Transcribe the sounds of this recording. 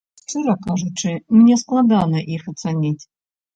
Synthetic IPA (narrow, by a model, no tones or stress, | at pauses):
ʂt͡ʂɨɾɐkaʐut͡ʂɨmnʲɛsklˠad̪anɐʔixɐt̪sanʲitʲ